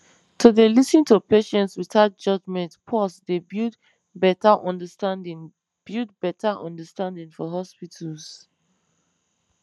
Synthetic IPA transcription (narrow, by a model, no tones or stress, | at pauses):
tʰudelisĩntupeʃɛ̃ntswitat̚d͡ʒʌd͡ʒmɛ̃ntpʰɔsdebid | bɛtaʔɔ̃ndəstãndĩŋ | b̥id̚bɛtʰaʔɔ̰̃ndəstãndĩŋfɔɦɔspitʰəls